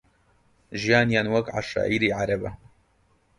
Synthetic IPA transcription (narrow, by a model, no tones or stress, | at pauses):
ʒijaːnjaːnwɐkʕa̰ʃa̰ːʔiːɾiːʕaɾɐbɐ̰